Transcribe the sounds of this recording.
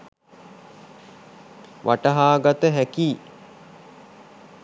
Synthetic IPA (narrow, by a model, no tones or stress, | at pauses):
ʋʔaʈəɦaːɡat̪əɦækiː